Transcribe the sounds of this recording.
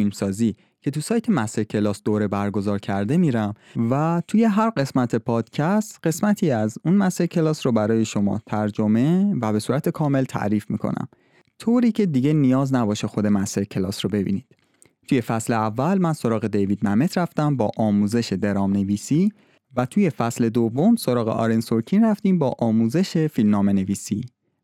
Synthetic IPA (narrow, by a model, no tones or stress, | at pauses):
filmsɒːziː | cʰe̞t̪usɒːjt̪ʰe̞mæst̪e̞ɾcʲʰe̞lɒːsd̪oːɾe̞bæɾɡo̞zɒːɾcʰæɾd̪e̞miːɾæmvæt̪ʰuje̞ɦæɾɢe̞smæt̪ʰe̞pʰɒːd̪̥cʰæst̪ɢ̥e̞smæt̪ʰiːæzunmæst̪eɾcʰe̞lɒːsɾobæɾɒːje̞ʃo̞mɒ̰ːt̪ʰæɾd͡ʒo̞me̞væbe̞suːɾæt̪ʰe̞kʰɒːme̞lt̪ʰæ̰ʔɾiːfmḭːkʰo̰næ̰m | t̪ʰoːɾiːcʰe̞d̪iɟe̞nijɒːznæbɒːʃexo̞d̪e̞mæst̪eɾcʰelɒ̰ːsɾobe̞bḭːniːd̪̥ | t̪ʰuje̞fæsleævːælmænso̞ɾɒːɣe̞d̪e̞jvid̪̚mæme̞t̪ʰɾæft̪æmbɒːʔɒːmuːze̞ʃe̞d̪e̞ɾɒːmne̞viːsiː | væt̪ʰuːje̞fæsle̞d̪ovːo̞mso̞ɾɒːɣḛʔɒ̰ːɾensoɾcʰinræft̪iːmbɒːʔɒːmuːze̞ʃe̞filmnɒːmene̞viːsiː